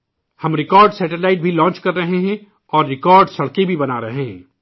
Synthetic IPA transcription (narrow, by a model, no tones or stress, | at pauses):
hɐmɾɪkɔːɾɖsɛːʈelaːɪʈ̚bʱilɔ̃ːt͡ʃkɐɾːɐɦeɦɛ̃ | ɔːɾːɪkɔːɾɖsɐɽkebʱibɐnaɾɐɦeɦɛ̰̃ː